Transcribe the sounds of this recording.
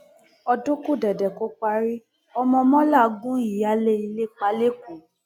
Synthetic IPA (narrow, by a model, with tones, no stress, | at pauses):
ɔ˧dõ˦ku˦˨dɛ˨dɛ˨ko˨˦k͡pa˧ɾi˦ | ɔ˧mɔ̃˧mɔ̃˦la˦˨˦ɡũ˦i˨ja˨˦le˦i˧le˦k͡pa˧˦le˦ku˨˦